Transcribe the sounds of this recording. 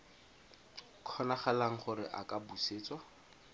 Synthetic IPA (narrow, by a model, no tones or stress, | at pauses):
kʰɔnaχalaŋ̩χʊɾɪ̰ʔakabuseːt͡swa